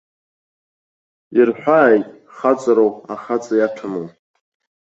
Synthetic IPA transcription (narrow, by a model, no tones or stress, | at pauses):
irħʷᶣaːjtʼ | χat͡sʼaɾowaχat͡sʼajaʈ͡ʂʰamo